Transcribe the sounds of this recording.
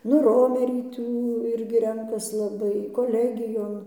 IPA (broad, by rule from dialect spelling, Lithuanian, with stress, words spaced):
nʊ ˈroːmʲɛrʲiː ˈtuː ˈɪrʲɡʲɪ ˈrʲɛŋkɐs lˠɐˈbɐɪ koːˈlʲæːɡʲɪjoːn